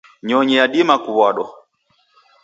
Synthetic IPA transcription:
ɲɔɲɛjaɗimakuβwaɗɔ

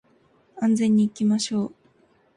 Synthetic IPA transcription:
ãnzẽ̞ɲ̟ːiːkʲimaɕo̞ː

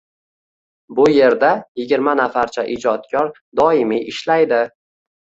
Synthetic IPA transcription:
bʊje̞ɾd̪ajɪɡʲɪɾmanafaɾt͡ʃʰaʔɪd͡ʒɒt̪̚kʲʰɒɾ | d̪ɒɪmiʔɪʃlajd̪ɪ

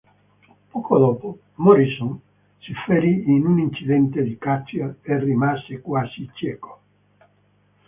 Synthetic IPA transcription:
pɔkod̪ɔːpo | moɾisuŋ | sifeɾiinunint͡ʃid̪ɛnt̪ed̪ikasjaerimasekwaːzit͡ʃjɛːko̥

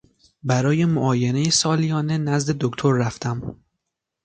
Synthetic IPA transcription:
bæɾɒːje̞moʔɒːje̞ne̞jesɒːlijɒːne̞næzd̪e̞d̪okt̪ʰoɾːæft̪ʰæm

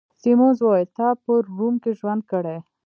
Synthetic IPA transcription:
simozwɔjt̪ɑpəɾːumkeʒwand̪̚kəɽe

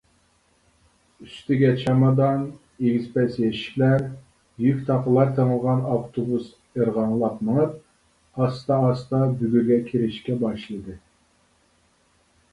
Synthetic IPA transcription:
yst̪ɪɡʲɛt͡ʃʰɑmɑd̪ɑn | eɡʲizpʰɛsjɛʃi̥kʲlæɾ | jykʲt̪ʰɑqəlˠɑɾt̪ʰəŋəlˠʁɑnɑft̪ʰobus | eɾʁɑŋlˠɑpməŋəp | ɑst̪ɑːst̪ɑbyɡʲyɾɡʲɛkʲʰiɾɪʃkʲɛbɑʃlˠɨd̪ɨ

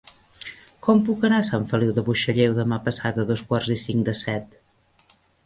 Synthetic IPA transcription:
kɔmpukənasaɱfəliwðəβuʃəʎewðəmapəsat̪əðɔskwarzisiŋd̪əsɛt̪

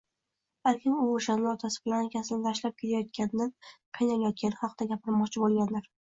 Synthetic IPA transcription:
baɾkʲʰɪnʊoʃanlɪɒt̪ʰasɪ̥bɪlanɪkʲʰasɪnɪt̪ʰaʃlap̚kʲʰe̞t̪ʰajɒt̪̚kʲanɪqʰɨjnalajɒt̪̚kʲanɪχɒqʰd̪aɡʲapʰɪɾmɒqt͡ʃʰɪbolˠɡʲand̪ɪɾ

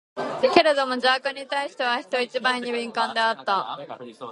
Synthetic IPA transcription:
ke̞ɾe̞d̪o̞mo̞d͡ʑakãɲ̟ːit̪aiɕi̥t̪e̞β̞açi̥t̪o̞it͡ɕibãɲ̟ːibʲĩŋkãnd̪e̞at̪ːa

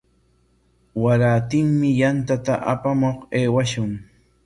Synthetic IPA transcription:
waɾaːt̪ɪŋmɪjant̪at̪aʔapamoχeːwaʃʊŋ

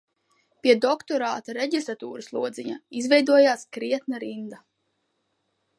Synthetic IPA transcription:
piɛd̪ɔkt̪ɔɾaːt̪aɾɛɟist̪ɾat̪uːɾuslˠuɔd̪ziɲa̰izvɛjd̪uɔjaːskɾiɛt̪naɾind̪a

